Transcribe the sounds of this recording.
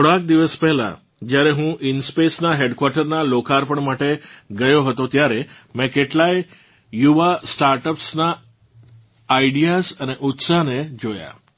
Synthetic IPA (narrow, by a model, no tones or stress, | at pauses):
əɽãk̚d̪iʋəspɛɦla̰ | d͡ʒjaɾeɦũʔinspesnaɦeɖkwaɾʈəɾnalokaɾpəɳmaʈeɡəjoɦət̪ot̪jaɾemɛ̃keʈlaj | juʋasʈaɾʈəpsna | iɖijasəneʔut̪saned͡ʒoja̰